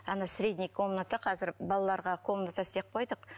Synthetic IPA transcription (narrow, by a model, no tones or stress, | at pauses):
ɑnɑsɾʲe̞d̪ʲnʲijkʰo̞mnat̪ɑqʰɑzɪɾbɑlˠɑlˠɑɾʁɑkʰo̞mnat̪asɪd̪ep̚qʰo̞jd̪əq